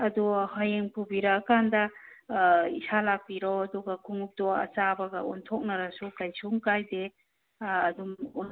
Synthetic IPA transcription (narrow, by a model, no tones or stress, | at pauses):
ɐduhajeŋpʰubiɾɐːkandɐ | isalak̚piɾɔwɐduɡɐkʰuŋup̚tɔɐ̰t͡ʃabɐɡɐɔ̰ntʰɔk̚nɐɾasukajsuŋkajde | ɐdumɔn